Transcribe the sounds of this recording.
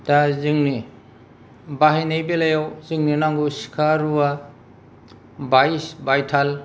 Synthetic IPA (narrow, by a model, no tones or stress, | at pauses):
tazɯŋni | baɦinejbelajawzɯŋninaŋɡusi̥kʰaɾua | bajsbajtʰal